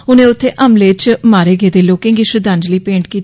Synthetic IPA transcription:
ʊnẽːʊt̪ʰːeːʔəmleːt͡ʃmaːɾeːɡeːd̪eːloːkɪ̃ŋɡiːʃɾəd̪ãːɲd͡ʒliːpẽːɳʈ̚kiːt̪

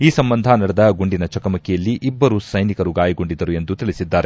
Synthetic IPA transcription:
iːsɐmbɐnd̪ʱaːnɐɽɐd̪ɐɡuɳɖinɐt͡ʃɐkɐmɐkːɛjɐlːiʔibːɐɾusɐjnikɐɾuɡaːjɐɡoɳɖid̪ɐɾue̞nd̪ut̪iɭisid̪ːaːɾe

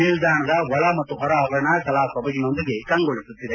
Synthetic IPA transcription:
mild̪aːɳɐd̪ɐʋɔɭɐmɐt̪ːuɦɔɾɐɐʋɾɐɳakɐlaːkɔbɐɡino̞nd̪iɡekɐŋɡoɭisut̪ːid̪e

